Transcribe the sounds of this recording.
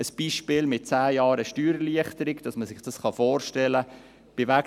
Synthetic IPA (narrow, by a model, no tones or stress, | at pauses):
əsb̥iːʃpɪːlmɪt̚t͡sæːjɑːɾəʃtyːɾliəχtəɾɪɡd̥ɑsməsɪχd̥ɑsχɑfoːrʃtɛlə | b̥ɪvæk